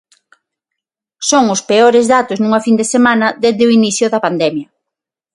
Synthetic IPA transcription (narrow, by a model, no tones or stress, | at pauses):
soŋʊspeoɾezðat̪ʊznũŋɐfind̪esemãnɐðeððɪʊiniθjʊðɐpand̪ɛmjɐ